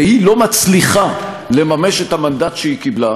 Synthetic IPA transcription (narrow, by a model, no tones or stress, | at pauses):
ehilo̞mat͡sliχa | le̞mame̞ʃethamand̪atʃeikibla